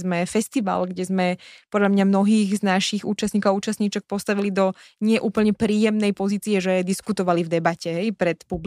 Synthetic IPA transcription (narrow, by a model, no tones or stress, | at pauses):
zmɛfɛst̪iʋa̰lɡɟɛzmɛpɔd̪ʎamɲamnɔɦiːɣznaʃiɣuːt͡ʃast̪ɲiːkɔauːt͡ʃast̪ɲiːt͡ʃɛk̚pɔst̪aʋilid̪ɔɲɪɛʔuːpl̩ɲɛpɾiːjɛmnɛjpɔziːt͡siɛʒɛd̪iskut̪ɔʋalivd̪ɛbacɛɦɛjpɾɛt̪publ